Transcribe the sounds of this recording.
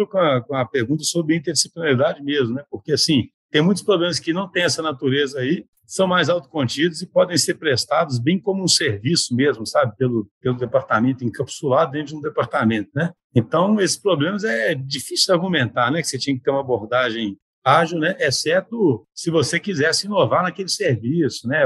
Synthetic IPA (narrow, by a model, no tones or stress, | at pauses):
kõɐkõɐpeɾɡũnt̪ɐsobɾɪĩnt̪eɾisi̥plinalid̪ad͡ʒɪmezmʊnɛpoɾkeasĩt̪ẽj̃mũj̃t̪ʊ̥spɾoblẽmɐskɪnɐ̃w̃t̪ẽj̃ɛsɐnat̪uɾezɐai | sɐ̃w̃majzawt̪ʊ̥kõt͡ʃid̪ʊzɪpɔd̪ẽj̃seɾpɾest̪ad̪ʊz̬bẽj̃kõmʊũseɾvisʊmezmʊsabɪpelʊpelʊd̪epaɾt̪amẽnt̪ʊĩkɐpsulad̪ʊd̪ẽnt̪ʊɾũd̪epaɾt̪amẽnt̪ʊnɛ | ẽnt̪ɐ̃w̃esɪ̥spɾoblẽmɐzɛd͡ʒifisud͡ʒaɾɡumẽnt̪aɾnɛkɪ̥set͡ʃĩɐkɪt̪eɾũmɐaboɾd̪aʒẽj̃ | aʒiwnɛʔɛsɛɾt̪ʊsɪvosekizɛɾsɪĩnovaɾnɐkelɪseɾvisʊnɛ